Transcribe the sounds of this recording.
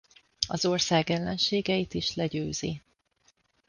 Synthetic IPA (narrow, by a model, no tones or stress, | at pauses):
ɒzo̞rsaːɡɛlːɛnʃeːɡɛjit̪iʃlɛɟøːziː